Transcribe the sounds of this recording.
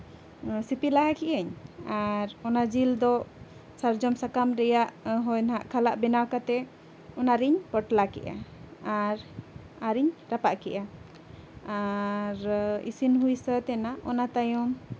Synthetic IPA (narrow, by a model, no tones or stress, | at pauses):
sipilaɦakiʔəɲaɾɔnad͡ʒild̪ɔ | saɾd͡ʒɔmsakamɾɛjaʔɦɔjnɦaʔkʰalaʔbɛnawkat̪ɛ | ɔnaɾiɲpəʈlakɛ̰ʔa̰aɾ | aɾiɲɾapaʔkɛʔa | aɾḭsinɦujsət̪ɛnaʔɔnat̪ajɔm